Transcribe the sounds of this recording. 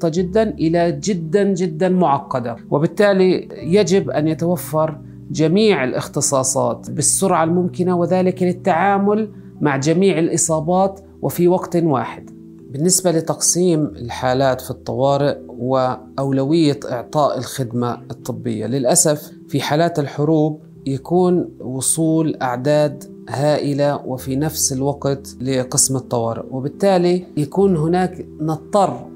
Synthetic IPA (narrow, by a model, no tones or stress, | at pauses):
t̪ɑd͡ʒɪd̪ːanʔɪlad͡ʒɪd̪ːand͡ʒɪd̪ːanmʊʕɑqːɑd̪awɪbɪt̪ːaːli | jad͡ʒɪbʔanjat̪awafːɑɾˤ | d͡ʒamiːʕɪlʔɪ̰xt̪ɨsˤɑːsˤɑ̰ːt̪bɪsːʊɾʕalmʊmkɪnawɪðaːlɪklɪt̪ːaʕaːmʊl | maʕd͡ʒamiːʕɪlʔɨsˤɑːbɑːt̪ | wʔɪfiwɑɡt̪wa̰ːħɪd̪̥ | bɪnːɪsbalɪt̪ɑqsiːmɪ̰lħaːlaːt̪fit̪ˤːɑwɑːɾɪʔwɪʔawlawɪjːaʔɪʕt̪ˤɑːʔɪlxɪd̪maɨt̪ˤːɨbːɪ̰jːa̰lɪlʔasaf | fiħaːlaːt̪ɪlħʊɾuːb̚ | jakuːnwʊsˤuːlʔa̰ʕd̪aːd̪ | haːʔɪlawɪfinafsɪlwɑɡt̪lɪqɪsmɨt̪ˤːɑwɑːɾɪ̰ʔwɪbɪt̪ːaːlijakuːnɦʊnaːknɑt̪ˤːɑrˤ